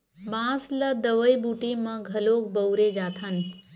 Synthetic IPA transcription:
bãsləd̪əʋəjbuʈiməɡʱəlok̚bəʊɾed͡ʒat̪ʰən

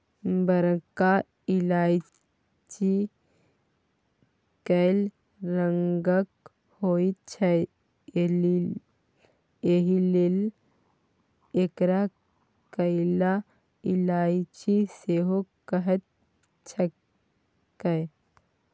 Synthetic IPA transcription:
bəɾka | ɪlaːi | t͡ʃi | kəɪl | ɾəŋɡək | hoit̪t͡ʃʰə | eɦilil | ekɾa | kəɪla | ɪlaːit͡ʃiseɦokəɦət̪̚ | t͡ʃʰə | kəj

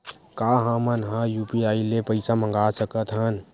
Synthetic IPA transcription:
kaɦãmənɦãjupiailepəɪsamə̃ŋɡasəkət̪ɦən

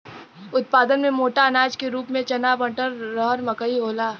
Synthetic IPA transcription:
ʊt̪̚paːd̪ənmẽmoːʈaɐnaːd͡ʒkeɾuːpmẽt͡ʃɐnaːbə̃ɳʈəɾːɔɦɾmɐkəiɦoːlaː

